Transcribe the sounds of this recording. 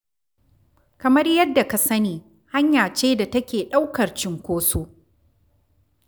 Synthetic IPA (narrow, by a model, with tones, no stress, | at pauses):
kɐ˨mɐ˦rjɐ˦dːa˨ka˨sɐ˦niː˨ | ha˦ɲjaː˨t͡ʃeː˦da˨tɐ˦kʲeː˨ɗa˦wkɐ˨rt͡ʃɪ˨ŋkʷoː˦soː˦